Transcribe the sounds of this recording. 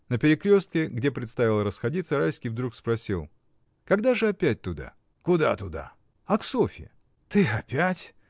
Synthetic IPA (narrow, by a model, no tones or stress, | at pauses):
nəpʲɪɾʲɪkɾʲo̞st̪kʲɪɡdʲe̞pɾʲɪt̪st̪avʲɪlˠəɾəsxɐdʲit̪səɾajskʲijvd̪ɾukspɾɐsʲilˠ | kɐɡd̪aʐɨɐpʲæt̚ʲt̪ʊd̪a̰ | kʊd̪a̰t̪ʊd̪a̰ | ɐksofʲɪ̰ | t̪ɨɐpʲætʲ